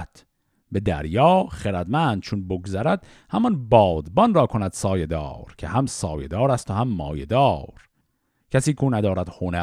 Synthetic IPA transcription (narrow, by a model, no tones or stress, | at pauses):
t̪ʰ | be̞d̪æ̰ɾjɒːχeɾæd̪mænd̪̚t͡ʃʰonboɡzæɾæd̪̥ | hæmɒnbɒːd̪bɒnrɒːkʰonæd̪̥sɒːjed̪ɒ̰ːɾcʰehæmsɒ̰ːje̞d̪ɒːɾæst̪ohæmːɒ̰ːjed̪ɒːɾ | cʰæsiːkʰunæd̪ɒːɾæd̪̥honæ